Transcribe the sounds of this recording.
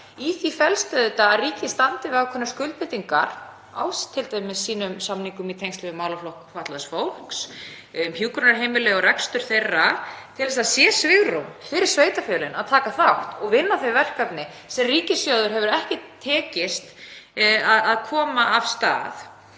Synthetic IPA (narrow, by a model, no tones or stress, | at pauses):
iθifɛlst̪œðɪt̪aːðriːcɪst̪ant̪ɪvakʰɔnːʏskʏlt̪pɪt̪iŋkaɾ̥ | a̰wst̪ʰɪlt̪aːjmɛðsiːnʏmsamniŋkʏmit̪ʰejŋst̪lɛvʏmːaːwlaflohkfat̪lasfowl̥ks | ʏmçjuːkɾʏnaɾ̥ɦeːjmɪlɛɣɔɾɛkst̪ʏɾ̥θejrːat̪ʰɪlvɛsaðsjɛːsvɪɣɾomfɪɾɪɾ̥sveːjt̪afɛlɪnaðt̪ʰaːkaθawht̪ɔɣvɪnːaθejvɛr̥kapnɪ | sɛmriːcɪsjowðʏɾ̥ɦɛvʏɾɛhcɪt̪ʰɛːcɪst̪ | aðaðkʰɔːmaav̥st̪a̰ːð